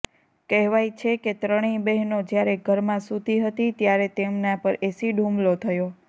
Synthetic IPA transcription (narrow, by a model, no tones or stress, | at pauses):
kɛɦʋajt͡ʃʰeket̪ɾəɽ̃ibɛɦnod͡ʒjaɾeɡʱəɾmãsud̪ʱiɦət̪it̪jaɾet̪emnapəɾʔesiɖʱũmlot̪ʰəjo